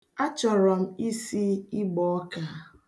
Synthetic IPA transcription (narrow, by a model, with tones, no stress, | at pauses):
a˦t͡ʃɔ˨ɾɔ˨m̩˦i˦si˦i˦ɡ͡bɔ˨ɔ˦ka˦